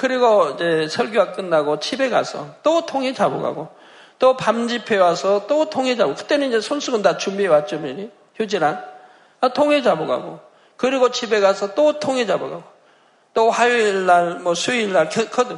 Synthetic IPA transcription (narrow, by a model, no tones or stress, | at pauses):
kɯɾiɡoid͡ʑe̞sʰʌɭɡjowak͈ɯnːaɡot͡ɕʰibe̞ɡa̰sʰʌ̰t͈otʰoŋɦed͡ʑabo̰ɡa̰ɡo | t͈opamd͡ʑipʰe̞wasʰʌt͈otʰoŋɦed͡ʑabokɯ̥t͈e̞nɯnid͡ʑesʰonsʰuɡɯndat͡ɕumbiewat͡ɕ͈umiɾi | çjod͡ʑiɾan | atʰoŋɦe̞d͡ʑaboɡa̰ɡo̰ | kɯɾiɡot͡ɕʰibe̞ɡasʰʌt͈otʰoŋɦed͡ʑaboɡa̰ɡo | t͈oɸajoiɭːaɭmʌsʰuiɭːaɭkʌkʌdɯ